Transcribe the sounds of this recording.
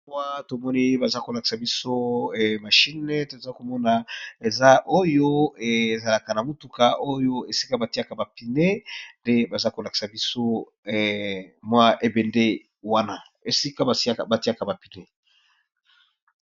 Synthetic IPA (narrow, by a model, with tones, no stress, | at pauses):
wa˦to˨mɔ˦ni˦ba˨za˦ko˨la˨ki̥˨sa˨bi˦so˦ɛ˨ma˨ʃi˦ne˦to˨e˨za˦ko˨mɔ˦na˨e˨za˦ʔo˦jo˦e˨za˨la˨ka˨na˨mo˨tu˨ka˨o˦jo˦e˨si̥˦ka˦ba˨ti˦a˦˨ka˨ba˨pi˨ne˦nde˦ba˨za˦ko˨la˨ki̥˨sa˨bi˦so˦˨ | mwa˦ʔe˨be˨nde˦ | wa˦na˨ | e˨si˦ka˦˨ba˨ti˦a˦˨ka˨ba˨pi˨ne˦